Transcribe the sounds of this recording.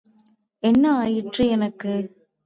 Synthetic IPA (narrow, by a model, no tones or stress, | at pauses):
ɛnːɐaːjɪʈrɯɛnɐkːɯ